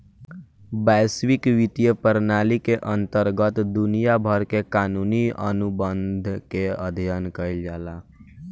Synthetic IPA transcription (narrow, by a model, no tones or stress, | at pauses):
bɛswɪkʋit̪ijəpəɾnaːlikeʔə̃nt̪əɾɡət̪d̪unijabʱəɾkekaːnuniə̰nubə̃nd̪ʱkeəd̪ʱijənkəɪld͡ʒaːla